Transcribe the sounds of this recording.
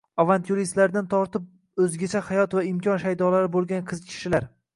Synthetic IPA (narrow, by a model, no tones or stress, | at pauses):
avant̪ʰjuɾist̪laɾd̪ant̪ʰɒɾt̪ɪp̚ | ɵzɡʲat͡ʃʰahajɒt̪vaɪmkʲʰɒnʃajd̪ɒlaɾɪbolˠɡʲanqʰɨzkʲʰɪ̥ʃɪlaɾ